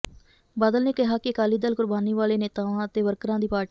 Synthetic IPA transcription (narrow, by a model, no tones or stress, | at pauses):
baːd̪əlneːkɪɦaːkɪkaːliːd̪əlkʊɾbaːniːʋaːleːneːt̪aːʋãːət̪eːʋəɾkɾãːd̪iːpaːɾʈ